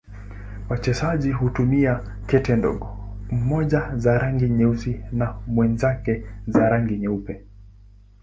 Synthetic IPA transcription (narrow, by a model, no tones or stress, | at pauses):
wat͡ʃɛsaʄiɦutumia | kɛtɛndɔ̰ɠɔm̩mɔʄazaɾaŋɡiɲɛusinamwɛnzakɛzaɾaŋɡiɲɛupɛ